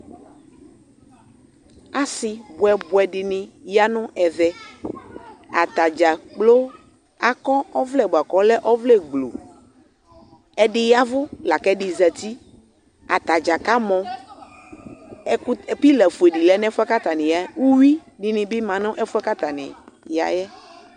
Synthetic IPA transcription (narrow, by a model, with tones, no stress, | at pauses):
a˦sɪ˨bwɛ˨bwɛ˨ɖɪ˨nɪ̃˨ja˦nʊ̃˦ʔɛ˨ðɛ˦ | a˨t̪a˨d͡ʒa˨k͡plo˦ | a˨kɔ˦ɔ˦vlɛ˦˨bo˨a˨kɔ˦lɛ˦ʔɔ˦vlɛ˦ɡ͡blo̰˨ | ɛ˦ɖɪ˦ja˦vʊ˦la˨kɛ˦ɖi˨zɛ˨t̪i˦ | a˨t̪a˨d͡ʒa˨ka˦mɔ̃˨ | ɛ˨kpi˦lɛ˨fu˨e˨ɖi˨lɛ˨˦nɛ̃˦fɛ˦ka˦t̪a˨nĩ˨ja˨˦wu˦wi˦ɖi˨nĩ˨bi˦mã˨nʊ̃˦ʔɛ˦fu˦ɛ˦ka˦t̪a˨nɛ̰̃˨ja̰˨jɛ˦